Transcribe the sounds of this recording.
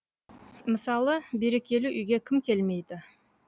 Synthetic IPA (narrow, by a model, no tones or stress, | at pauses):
mɪsɑlˠəbe̞ɾe̞kʲe̞lɪʔʏjɡʲe̞kʲʰɪmkʲʰe̞lme̞jd̪ɪ